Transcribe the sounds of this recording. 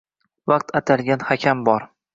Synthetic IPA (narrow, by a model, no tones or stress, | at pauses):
vɑqt̪ʰat̪ʰalɡʲanhakʲʰambɒɾ